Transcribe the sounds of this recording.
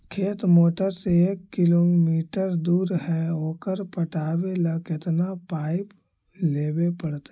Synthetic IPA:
kʰeːt̪moːʈəɾseeːkːɪloːmiːʈəɾd̪uːɾɦɛoːkəɾpəʈaːweləkɪt̪napaːɪp | leːbepəɽt̪

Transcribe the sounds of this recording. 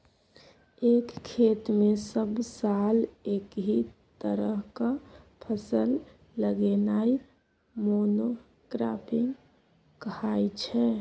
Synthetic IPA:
ekʰːet̪mesəbsalekɦit̪əɾəɦkapʰəsəlː | əɡenai | mono | kɾa̰piŋɡ | kəhajt͡ʃʰɛ

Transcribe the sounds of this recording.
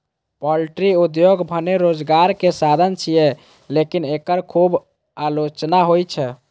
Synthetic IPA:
pɔlʈɾiud̪joɡbʱəneɾod͡ʒɡaɾkesad̪ʱənt͡ʃʰije | lekinekəɾkʰub | alot͡ʃnaɦojt͡ʃʰɛ

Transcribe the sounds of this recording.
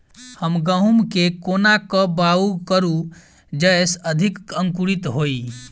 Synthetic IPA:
həmɡəɦumkekonakəbaukəɾu | d͡ʒəjsəd̪ʱikəŋkuɾit̪ɦoi

